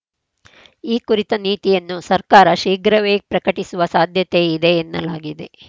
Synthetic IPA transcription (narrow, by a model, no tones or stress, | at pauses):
iːkuɾit̪ɐniːt̪ijɐnːusɐɾkaːɾɐʃiːɡɾɐʋeːpɾɐkɐʈisuʋɐsaːd̪ʱjɐt̪e̞id̪e̞ːnːɐlaːɡid̪e̞̰